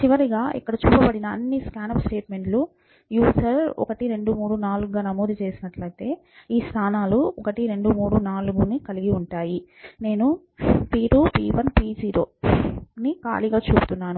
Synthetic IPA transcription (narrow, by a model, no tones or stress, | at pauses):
t͡ʃiʋɐɾiɡaːʔḭkːɐɽɐt͡ʃuːpɐbɐɽinɐːnːiskaːnɐpsʈeːʈme̞ɳʈlu | juːsɐɾɔ̰kɐʈiɾe̞ɳɖumuːɽunaːluɡɡaːnɐmoːd̪ut͡ʃe̞ːsinɐʈlɐjt̪e̞ː | iːst̪ʰaːnaːluɔkɐʈiɾe̞ɳɖumuːɽunaːluɡunikɐliɡiuɳʈaːjine̞ːnu | piːʈupiːʋɐnpiːd͡ʒiːɾo̞ːnika̰ːliɡaːt͡ʃuːbut̪unːaːnu